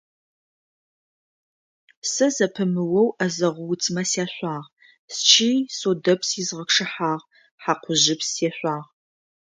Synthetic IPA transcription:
sɐzɐpʰɨmɨwɐwɐzɐʁʷʊwt͡sʰʼmɐsjaːɕʷaːʁ | st͡ʃʰiːsoːdɐpsizʁɐkʂɨħaːʁ | ħaqʷʰʊʑɪpseɕʷaːʁ

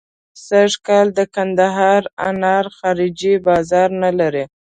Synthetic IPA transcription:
saʒkɑld̪əkand̪aɦɑɾa̰nɑɾxɑɾid͡ʒibɑzɑɾnalaɾi

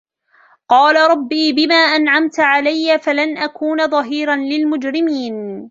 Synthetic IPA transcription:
qɑːlaɾˤɑbːiːbɪmaːʔanʕamt̪ʕalajːafalanʔakuːnaðˤɑɦiːɾanlɪlmʊd͡ʒɾɪmiːn

